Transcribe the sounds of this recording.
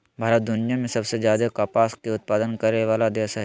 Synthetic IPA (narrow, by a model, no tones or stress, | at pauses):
bʱaːɾət̪̚d̪ʊnɪjamẽsɐbsezjaːd̪ekaːpaːskeʊt̪̚paːd̪ənkəɾeʋaːlad̪eːsaɦɛ